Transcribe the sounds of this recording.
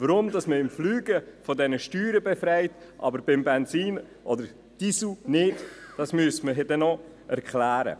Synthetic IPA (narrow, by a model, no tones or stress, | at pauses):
vəɾʊmdɑsməɪmflyːɡəfɔdɛnəʃtyːɾəbɛfɾɛɪt | ʔɑ̰bəɾbɪmbɛnsiːn | ʔɔdəɾ | d̥isunɪtd̥ɑsmyəstməɦɛdɛnɔ | ʔɛɾkχlæːɾə̰